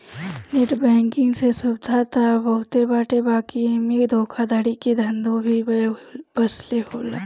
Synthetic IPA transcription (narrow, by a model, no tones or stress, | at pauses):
neʈbɛ̃ːŋkɪ̃ŋɡsesʊbd̪ʱat̪abəɦʊt̪ebaːʈebaːkiemikd̪ʱoːkʰad̪aɽiked̪ʱə̃nd̪õbʱibbəsleɦoːla